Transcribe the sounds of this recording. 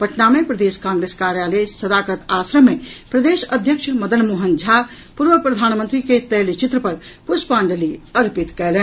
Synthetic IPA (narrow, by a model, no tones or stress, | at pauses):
pəʈnamepɾəd̪eskãŋɡɾeskaɾjalesəd̪akət̪asɾəmːepɾəd̪esəd̪ʱjəkʃʰməd̪ənmuɦənd͡ʒʱa | puɾʋəpɾəd̪ʱaːnmənt̪ɾiket̪əjlt͡ʃit̪ɾəpəɾpuspãnd͡ʒəliəɾpit̪kɛlɛn